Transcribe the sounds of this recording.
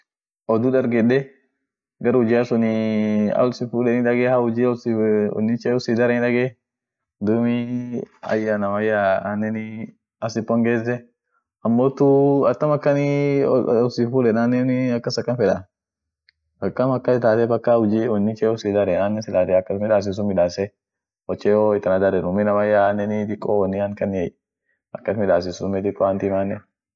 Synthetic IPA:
ʔɔd̪udɐɾɡɛɗɛ | ɡɐɾʊd͡ʒasʊnɪɐ̰lsɪfuːlɛnɪᶑɐɡɛhaʊd͡ʒisɔ̰nːɪt͡ʃɛʊsɪd̪ɐɾɛnɪᶑɐɡɛ | d̪ʊmi | ɐ̰jːanɐmɐjːaa̰ːnːɛnɪ | ɐsɪpːɔŋɡeːzɛ | ɐmːoːt̪ʊɐt̪ːɐmɐkːɐnɪ | ɔsifuːlɛnaːnːɛnɪɐkːɐsɐkːɐnfɛᶑɐ | bɐkːɐmɐkːɐɪt̪aːt̪ɛbɐkːahʊd͡ʒiwɔnːɪkɛɔsɪd̪ɐɾɛaːnːɛsɪlaːt̪ɛɐkːɐt̪mɪᶑaːs̬ɪs̬ʊmɪᶑaːsɛ | ɔt͡ʃːɛoɪt̪ːɐnɐd̪ɐɾɛnʊmːɪnɐmɐjːaaːnːɛnɪd̪ɪkʼːowɐnːɪɐŋkɐnɛ | ʔɐkːɐt̪mɪᶑ̪aːs̬ɪsʊʊmɛt̪ɪkʼːɔant̪ɪmaːnːɛ

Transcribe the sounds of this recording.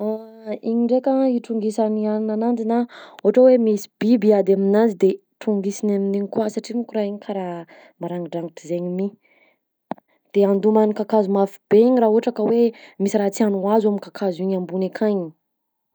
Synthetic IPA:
aiɲiɳɖ͡ʐekəiʈ͡ʂuŋɡisanianinanand͡zinaoaʈ͡ʂawemisi̥bibiad̪aminanzid̪e | ʈ͡ʂuŋɡisinaminiɲikwasaʈ͡ʂimukuɾaɦiɲikʰaɾa | maɾaŋɡiɖ͡ʐaŋɡiʈ͡ʂizeɲimi | d̪̥eand̪umanikakazumafi̥beiɲirauaʈ͡ʂakəwemisiɾat͡sianuazamikakʰaziɲambunekʰaɲi

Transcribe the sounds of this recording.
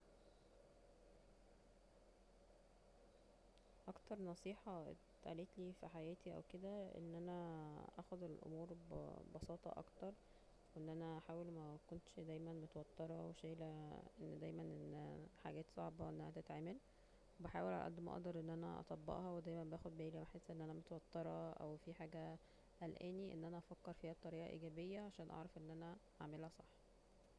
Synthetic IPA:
ʔɑkt̪ɑɾˤnɑsˤiːħɑḛt̪ʔæ̰leːt̪liːfiħajæːt̪iʔæ̰wked̪æʔḛnːʔænæʔæxod̪elʔo̰muːɾ̰bɑsˤɑːt̪ˤɑ̰ʔɑ̰kt̪ɑɾˤ | weʔenːʔænæʔaħaːwelmækont̪ʃd̪æjmænmot̪wɑt̪ːɑɾˤɑweʃæːlæʔenːd̪æjmænʔenːħaɡæːt̪sˤɑʕbɑʔenːæhæt̪et̪ʕeːmæl | webeħa̰ːwelʕa̰lʔæ̰d̪ːmæʔɑ̰ʔd̪ɑɾˤʔenːʔænæ̰ʔɑ̰t̪ˤɑbːɑ̰ʔhɑwed̪æjmænbæːxod̪̚bæːlimæħesːʔenːʔænæmot̪wɑt̪ˤːɑɾˤɑʔæ̰wfiħaːɡæ | ʔælʔæːniʔḛnːʔænæʔɑfækːeɾˤfiːhæb̚t̪ˤɑɾiːʔɑʔḭːɡæːbejːæʕaʃæːnʔɑ̰ʕɾˤɑfʔenːʔænæ | aʕmelhæsˤɑħː

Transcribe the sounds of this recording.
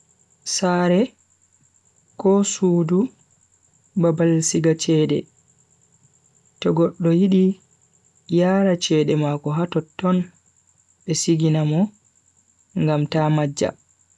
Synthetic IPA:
saːɾɛ | kɔsuːdu | babalsiɡat͡ʃɛːɗɛ̰ | tɔɡɔɗːɔjiɗi | jaːɾat͡ʃɛːɗɛmakɔɦatɔtːɔn | ɓɛsiɡinamɔ | ŋɡamtamad͡ʒːa̰

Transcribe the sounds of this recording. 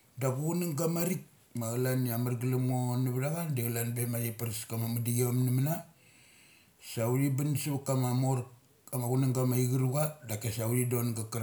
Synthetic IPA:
daɡuɡunaŋɡamaɾik̚ | maɡalaniamaɾɡilamonabdaɡandeɡalanbemajipaɾiskamamadiɡeamnimana | sauɾibansukamamoɾ | amaɡunaŋɡamaiɡiɾuɡadakesauɾidonɡakaɾ

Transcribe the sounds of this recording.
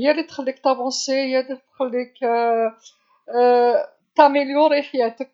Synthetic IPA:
jælit̪xəlːikt̪ɑvɑ̃sejædit̪xəlːik | t̪æmiljuɾiħjæt̪ək̚

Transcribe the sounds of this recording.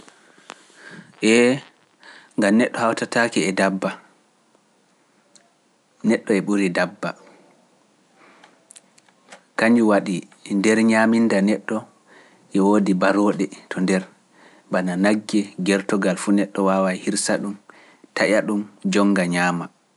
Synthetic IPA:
ʔɛ | ŋɡamnɛɗːɔhawtatakiɛdabːa | nɛɗːɔɛɓuɾidabːa | kaɲd͡ʒuwaɗi | ndɛɾɲamindanɛɗːɔ | ʔɛwoːdibaɾoːɗɛtʰɔndɛɾ | bananaɡːɛɡɛɾtɔɡalfunɛɗːɔwawajhiɾsaɗum | taʔaɗumd͡ʒɔŋɡaɲaːma

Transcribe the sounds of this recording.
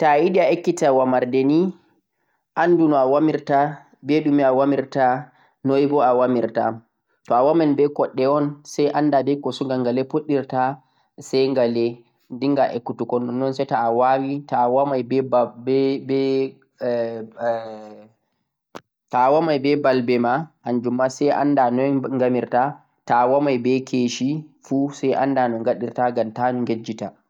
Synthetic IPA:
taiɗiaekːitawamaɾdɛni | ʔandunɔawamiɾta | bɛɗumiawamiɾta | nojbɔawamiɾta̰ | tɔawamɛnbɛkɔɗːɛɔnsajʔandadɛjkɔsuŋɡaŋɡalɛpoɗːiɾta | sɛjŋɡalɛ | diŋɡaʔekːutukɔnːɔnːɔnsɛjtaːwawitawamajbɛbbɛbɛ | tawamajbɛbalbɛmahand͡ʒumːasɛjʔa̰ndanɔŋɡamiɾta | tawamajbɛkʰeʃifusajʔa̰ndanɔŋɡaɗiɾtaɡamtanŋɡed͡ʒːita

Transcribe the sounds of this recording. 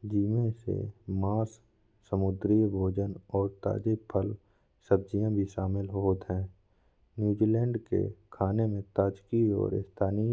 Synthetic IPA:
d͡ʒiːmẽsḛmaːs | səmʊd̪ɾibʱoːd͡ʒənɔːɾt̪a̰ːd͡ʒepʰəl | səb̚d͡ʒijãbʱiʃaːmɪlɦoːt̪ɦɛ̃ː | njuːd͡ʒiːlɛ̃ːɳɖkḛkʰaːnemẽt̪aːd͡ʒkiɔ̰ːɾɪ̰st̪ʰaːni

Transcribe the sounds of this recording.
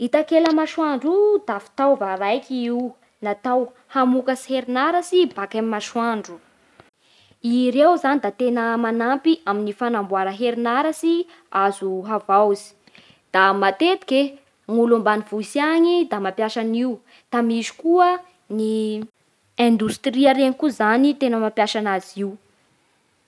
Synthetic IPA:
it̪akeləmaʃwaɳɖ͡ʐud̪afi̥t̪awvaɾajkiiu | nat̪aw | hamukəsi̥heɾinaɾəsibakamimaʃwaɳɖ͡ʐu | iɾewzanid̪at̪enəmanampiʔaminifanambwaɾəɦeɾinaɾasi | azuɦavawzi̥ | d̪̥amat̪et̪i̥kʲe | ŋulumbanivusjaɲid̪amapjaʃaniu | d̪̥amizi̥kuə | ni | ɛ̃nd̪ust̪riaɾeɲikuzanit̪enəmapjaʃanaziw

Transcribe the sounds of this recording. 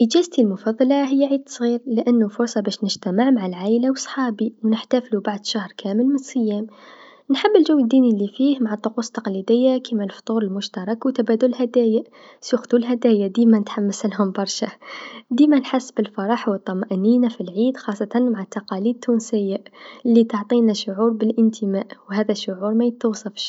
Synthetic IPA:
ʔəd͡ʒæːzt̪ilmʊfɑðˤːɑlaɦɪjːaʕiːd̪sˤɣiːɾlɪʔanːʊfʊɾˤsˤɑbæʃnɪʒt̪æməʕmaʕalʕaːʔlawəsˤħɑːbiwnəħt̪æflubaʕd̪ʃahɾˤkʰæːməlmɪnsˤɨjːæːm | nħabːəlʒʊwːəd̪ːiːnilːifiːhmaʕat̪ˤːʊquːsˤt̪ːɑqlid̪ɪjːakimælft̪ˤuːɾəlmʊʃt̪ɑɾˤɑkwt̪abæːd̪ʊllhæd̪æːja | sjuxd̪ulɦæd̪æːjad̪iːmænət̪ħamːasəlhʊmbɑɾˤʃad̪iːmænħasːbəlfɑɾˤɑħwət̪ˤːɑmʔniːnafilʕiːd̪xɑsˤːɑt̪anmaʕat̪ːɑqɑliːd̪̚t̪ʰːunsəjːalːit̪oʕt̪ˤinaʃʊʕuːɾˤbəlʔənt̪ʰəmaːʔwhæːðæʃːʊʕuːɾmæjət̪ːuwsˤɑfʃ

